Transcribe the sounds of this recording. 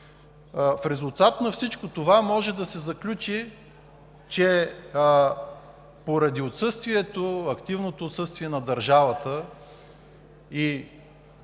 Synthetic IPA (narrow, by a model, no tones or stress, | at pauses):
fɾɛzulˠt̪at̪nɐfsit͡ʃkot̪ovamɔʒɛd̪ɐsɛzɐklʲut͡ʃi | t͡ʃɛ | poɾɐd̪iot̪sɤst̪viɛt̪oɐkt̪ivnot̪oːt̪sɤst̪viɛnɐd̪ɐɾʒavət̪ə | i